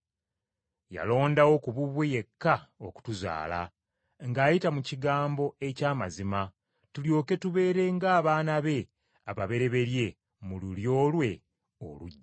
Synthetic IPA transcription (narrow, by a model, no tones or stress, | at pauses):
ja̰lo̞ːndawo̞kuβuβweje̞kːao̞ku̥tuza̰ːla̰ | ŋɡaːjitamuciɡaːmbo̞e̞caːmazima | tuljo̞ːke̞tuβe̞ːɾe̞ŋɡaːβaːnaβe̞ | aβaβe̞ɾe̞βe̞ɾje̞ | mululjo̞ːlwe̞ | o̰luɟːa